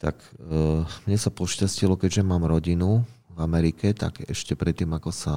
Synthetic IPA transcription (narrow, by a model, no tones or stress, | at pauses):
t̪a̰k | mɲɛsapɔʃcascilɔkɛɟʒɛmaːmɾɔɟinuvamɛɾikɛt̪a̰ɡɛ̰ʃcɛpɾɛt̪ːiːmakɔsa